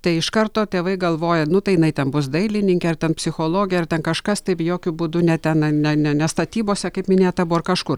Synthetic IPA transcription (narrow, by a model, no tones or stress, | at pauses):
t̪ɐɪɪʃkɐɾt̪oːt̪ʲeːʋɐɪɡɐlˠʋoːjɛnʊt̪ɐɪjɪnɐɪt̪ʲɛnbʊsd̪ɐɪlʲɪnʲɪŋʲkʲɛɐɾt̪ʲɛnpʲsʲɪxoːlˠoːɡʲɪjɛɐrt̪ʲɛnkɐʃkɐst̪ɐɪpjoːkʲʊbuːd̪ʊnʲɛt̪ʲɛnɐnʲɛnʲɛnʲɛst̪ɐt̪ʲiːboːsʲɛkɐɪpmʲɪnʲeːt̪ɐbʊɐrkɐʃkʊr